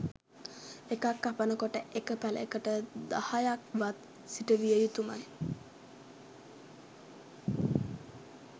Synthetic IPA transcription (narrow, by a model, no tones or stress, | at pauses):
ekakːapənəkoʈəʔekəpælə̰ekəʈəd̪ahajak̚ʋat̪ | siʈəʋijəjut̪uma̰j